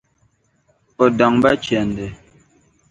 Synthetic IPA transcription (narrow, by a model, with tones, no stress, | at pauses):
ɔ˨da˨ŋba˦t͡ʃɛ˨ndɛ˨